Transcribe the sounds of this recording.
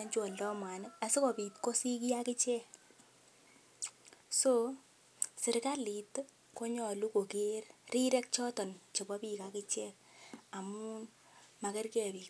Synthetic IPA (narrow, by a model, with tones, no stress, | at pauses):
aɲt͡ʃwɔ˨ldɔ˦mwa˨nɪ˦ka˨sɪ˦kɔ˨pi˨tko˦si˦k̬i˦a˦kɪ˦t͡ʃɛ˦ | so | sɪ˨ɾka˦li˨t | ko˦ɲɔ˨lu˦ko˨ke˦rri˦ɾɛ˦k̚t͡ʃɔ˦tɔ˨nt͡ʃe˨bɔ˦pi˦ka˦kɪ˦t͡ʃɛ˦k̚ | a˨mu˦n | ma˨kɛ˦rkɛ˨pi˨k